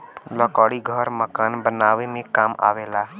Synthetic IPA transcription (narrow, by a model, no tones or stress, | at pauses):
ləkəɽiɡʱəɾməkanbənawemẽkama̰wela